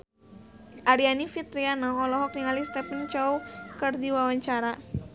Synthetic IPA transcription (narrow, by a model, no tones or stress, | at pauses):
ʔaɾianifit̪ɾianɔːlɔɦɔk̚niŋalist̪ɛpənt͡ʃɔukɨrdiwawaɲt͡ʃaɾa